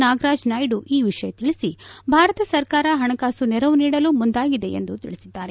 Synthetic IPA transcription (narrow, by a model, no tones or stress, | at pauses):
naːɡɾaːd͡ʒnaːjɖuʔiːʋiʂɐjɐt̪iɭisibʱaːɾɐt̪ɐsɐɾkaːɾɐɦɐɳɐkaːsunɛɾɐʋuniːɽɐlumund̪aːɡid̪e̞ḛnd̪ut̪ḭɭisid̪ːaːɾe̞